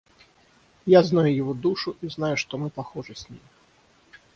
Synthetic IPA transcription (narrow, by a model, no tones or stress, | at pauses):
jaznajujavɔd̪uʂuʔiznajuʂt̪ɔmɨpaxɔʐɨsʲnʲḭmʲ